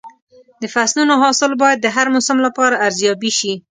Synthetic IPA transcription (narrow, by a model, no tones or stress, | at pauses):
d̪əfasnunoɦɑsɪlbɑjad̪̚ːəɦaɾmʊsamlapɑɾaʔːɾzjɑbiʃi